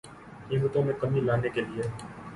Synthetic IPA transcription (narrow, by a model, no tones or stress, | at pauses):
niːmət̪õmẽkɐmilaːnekelie